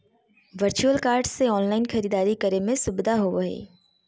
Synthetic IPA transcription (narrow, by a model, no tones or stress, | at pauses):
ʋəɾt͡ʃuəlkaːɾɖseɔːnlaːɪnxɐɾiːd̪aːɾikɐɾemẽsʊbd̪aɦoʋɐɦḛː